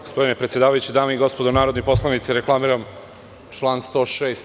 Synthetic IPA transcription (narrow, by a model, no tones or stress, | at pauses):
ɡospo̞d̪inepɾe̞t̪sjed̪aːʋajut͡ɕid̪aːmeiɡo̞spo̞d̪onaːɾod̪nopo̞slˠanit̪siɾeklˠamiɾam | t͡ʃlˠaːnst̪o̞ʂeːst̪